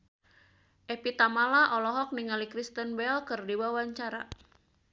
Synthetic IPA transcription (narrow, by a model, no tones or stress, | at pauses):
ʔɛpit̪amalaʔɔlɔɦɔk̚niŋalikɾist̪ənbɛlkɨrdiwawaɲt͡ʃaɾa̰